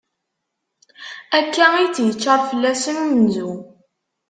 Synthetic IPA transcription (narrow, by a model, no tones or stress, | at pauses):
ækːæit͡sːjət͡ʃːəɾˤfəlːæsəmnzu